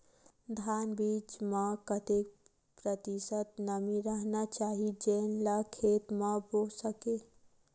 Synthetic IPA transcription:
d̪ʱanbit͡ʃmekət̪ek̚ | pɾət̪isət̪nəmiɾəɦnat͡ʃaɦid͡ʒenlakʰet̪mebosəke

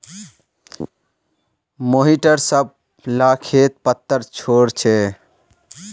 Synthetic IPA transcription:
moɦiʈəɾsəb̚ | lakʰet̪̚pət̪ːəɾt͡ʃʰoɽt͡ʃʰe

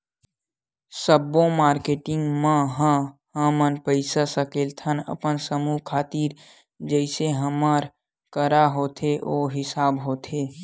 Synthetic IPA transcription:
səbõmaːɾkeːʈɪ̃ŋɡmãɦə̃ɦə̃mənpəɪsasəkeːlt̪ʰənə̰pənsəmuɦkʰaːt̪iːɾ | d͡ʒəɪseɦəməɾ | kəɾaɦoːt̪ʰeʔoːɦɪsaːbɦoːt̪ʰe

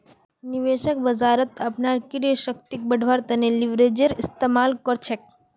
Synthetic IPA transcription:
niʋeʃək̚bəzaɾət̪apnaɾkiɾəʃək̚t̪ik̚bəɖʱʋaɾt̪ɐneliʋɾed͡ʒəɾist̪emalkəɾt͡ʃʰek̚

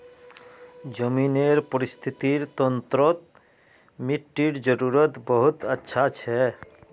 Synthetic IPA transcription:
d͡ʒəmineɾpɔɾist̪ʰit̪iɾt̪ɔnt̪ɾɔt̪̚ | miʈːiɾd͡ʒəɾuɾət̪bəɦut̪ətːʃʰat͡ʃʰɛ

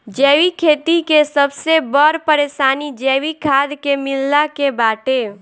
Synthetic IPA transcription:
d͡ʒɛːwikʰet̪ikesəbsebəɾpəɾesaːnid͡ʒɛːwikʰad̪kemilːakebaːʈe

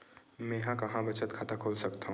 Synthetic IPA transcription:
mɛ̃ɦãkɐɦãbɐt͡ʃət̪kʰaːt̪akʰoːlsɐkt̪aɦũ

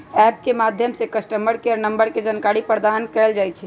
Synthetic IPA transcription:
ɛp̚kemad̪ʱjəmsekəsʈəməɾkeəɾnəmbəɾked͡ʒankaɾipɾəɾd̪ankɛld͡ʒajt͡ʃʰɛ

